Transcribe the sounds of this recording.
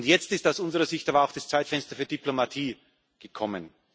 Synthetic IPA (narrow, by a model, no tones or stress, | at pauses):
ntjɛt͡stɪstaʊsʊnzəʁɐzɪçtaːbɐaʊxd̥ast͡saɪtfɛnstɐfyːɐdiplomatʰiː | ɡ̥əkʰɔmən